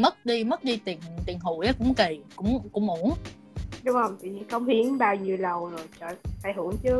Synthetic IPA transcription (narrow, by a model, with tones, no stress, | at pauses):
mə˦˥t̚ɗi˧mə˦˥t̚ɗi˧t̪i˨˩ənt̪i˨˩ənɦṵ˧˩˨jʔa˨˦kʊ̰˧˥ŋ͡mke˨˩kʊ̰˧˥ŋ͡mkʊ̰˧˥ŋ͡mʔu˧˩˦ən | ɗʊ˨˦ŋ͡mhə˧wŋ͡mt̪ɨ̰˧˨ɲi˧nxə˧˦wŋ͡mhi˨˦əŋɓaː˧wɲi˧əwlə˨˩wzo˨˩jt͡ɕəː˧˩fa̰ː˧˩jɦɨ˧˩əŋt͡ɕɨ˨˦